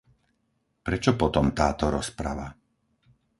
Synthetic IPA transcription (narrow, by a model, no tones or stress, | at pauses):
pɾɛt͡ʃɔpɔt̪ɔmt̪aːt̪ɔɾɔspɾa̰ʋa